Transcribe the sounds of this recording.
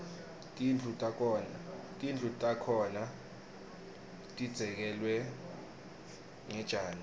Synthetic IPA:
tʼind͡ɮʱutʼakʰːnatʼind͡ɮʰʼutʼakʰɔna | tʼid̥z̥ʱɛk̬ɛlwɛ | ŋɛd̥ʒ̥ʱaːlɔ

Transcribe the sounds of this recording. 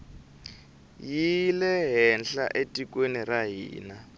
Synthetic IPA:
jilɛɦɛnɬa̰ʔetʼikʼweniraɦḭːna

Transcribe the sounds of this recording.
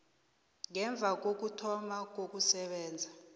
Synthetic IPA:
ŋɛɱb̪vʱak̬ok̬utʰɔmak̬ok̬ʼusɛɓɛːnd͡zʱa

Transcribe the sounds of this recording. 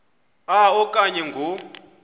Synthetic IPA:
aɔkʼaɲɛŋɡʱo

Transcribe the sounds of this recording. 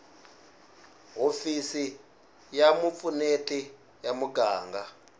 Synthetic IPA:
ɦofisi | jamup̪funetʼi | jamuɡaːŋɡa

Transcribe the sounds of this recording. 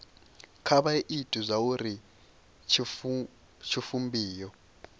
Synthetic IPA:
kʰaɓaeʔitʼuzʷauɾi | t͡ʃʰi | t͡ʃʰifumbʱiːjɔ

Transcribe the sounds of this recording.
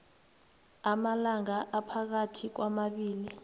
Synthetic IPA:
amalaŋaʔapʰak̬atʰik̬wamaɓiːli

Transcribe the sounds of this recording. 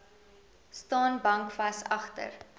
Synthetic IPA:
stɑːnbɐŋkfɐsɐχtə̰r

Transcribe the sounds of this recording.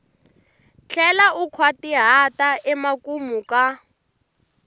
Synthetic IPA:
t͡ɬʰɛlaukʰwatiɦataʔɛmakumuka

